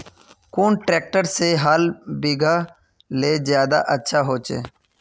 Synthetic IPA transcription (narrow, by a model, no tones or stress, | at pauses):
kuːnʈɾeːk̚ʈəɾseɦaːlbiɡʱa | leːzjaːd̪a̰ʔətːʃʰaɦoːt͡ʃḛː